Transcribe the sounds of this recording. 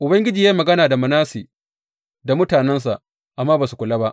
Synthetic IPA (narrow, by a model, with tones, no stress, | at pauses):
ʔʊ˨bɐ˦ŋɡʲɪ˦d͡ʒiː˨jaː˦mɐ˨ɡɐ˦naː˨da˨mɐ˨naː˦siː˨ | da˨mʊ˦taː˨nɛ˦ns̬a̰˨ʔ | ʔa˨mːaː˦baː˨su˨kʷʊ˨laː˦ba˦ʔ